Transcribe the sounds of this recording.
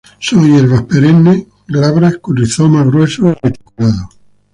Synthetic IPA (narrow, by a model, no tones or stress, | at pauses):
soŋjeɾβahpeɾenːe | laβɾahkuriθomaɣɾwesoiɾet̪i̥kulaðo